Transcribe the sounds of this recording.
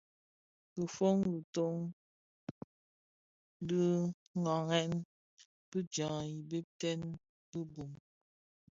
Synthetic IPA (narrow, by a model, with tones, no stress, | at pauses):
bə˨fo˦ŋbə˨to˦˨ŋ | bə˦ | ŋa˨ŋɛ˦n | pə˦d͡ʒã˨i˨be˦p̚tɛ˦n | bə˦bu˨m